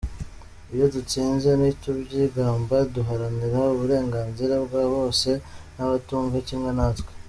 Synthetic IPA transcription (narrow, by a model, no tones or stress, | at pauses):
ijo̞dut͡siːnzenitubɟiːɡaːmbaduɦaɾaniɾauβuɾe̞ːŋɡaːnziɾabɡaːβo̞ːse̞naβatuːŋɡaciːŋɡanatwe